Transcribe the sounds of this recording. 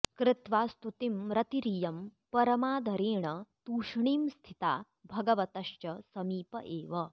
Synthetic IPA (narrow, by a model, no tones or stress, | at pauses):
kɾɪt̪ʋaːst̪ut̪imɾɐt̪iɾijɐmpɐɾɐmaːd̪ʱɐɾeːɳɐt̪uːʂɳiːmst̪ʰit̪a̰ː | bʱɐɡɐʋɐt̪ɐʃt͡ʃɐsɐmiːpɐ̰ʔeːʋɐ